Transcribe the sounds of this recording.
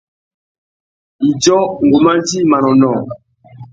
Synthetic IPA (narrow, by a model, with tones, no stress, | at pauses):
i˨d͡ʒɔ˦ŋ˨ɡo˨ma˦nd͡ʒi˦ma˨nɔ˨nɔ˨